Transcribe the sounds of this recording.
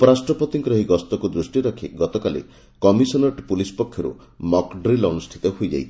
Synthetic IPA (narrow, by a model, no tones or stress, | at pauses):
upɔɾasʈɾɔpɔt̪iŋkɾɔɦiɡɔst̪ɔkud̪ɾusʈiɾɔkʰiɡɔt̪ɔkalḛ | kɔmisɔnɔʈpulispɔkʰːjɔɾṵ | mɔkɖɾilɔnusʈ̪ʰit̪ɔɦojd͡ʒa̰j